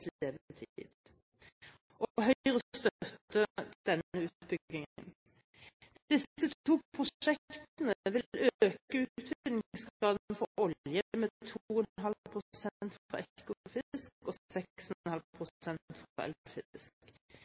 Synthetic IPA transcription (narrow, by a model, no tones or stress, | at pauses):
leːʋət̪ʰiːd̪ | ʔɔɦœəʁəst̪œt̪ːəd̪̥ɛnəʉːt̪bʏɡɪŋən | d̪̥ɪsət̪uːpʰʁʊʂɛkt̪nəʋɪløøːkəʉːt̪ʰʋɪklɪŋskɑːd̪̩fɔʔɔljəmɛt̪ʰuːənɦɑlpʰʁʊsɛnt̪fɔɾɛkʊʊfɪskɔsɛksɛnhɑlpʰʁʊɛnt̪fɛ̰lfɪskk